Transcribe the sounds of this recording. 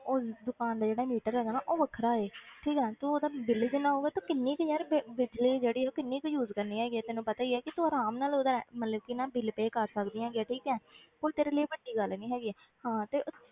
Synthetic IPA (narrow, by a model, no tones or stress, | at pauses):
od̪ʊkaːnd̪aːd͡ʒeːɽaːmiːʈəɾɦɛːɡaːnaːʔoːʋəkʰɾaːeːʈʰiːkɛːt̪ũːoːd̪aːbɪld͡ʒɪnãːɦoːɡeːt̪ũːkɪnːiːkd͡ʒɛːɾbbɪd͡ʒliːd͡ʒeːɽiːoːkɪnːiːkjuːzkəɾniːɦɛːɡiːɛːt̪ɛːnũːpət̪aːiɛːkɪt̪uːəːɾaːmnaːloːd̪əɾɛ̰ːmət̪ləbkɪnãːbɪlpeːkəɾsəkd̪ijãːɡɪaːʈʰiːkɛ̃ːpolt̪eːɾeːliiːbəɖiːɡəlnĩːɦɛːɡiːɛː | hãːt̪eːʔʊ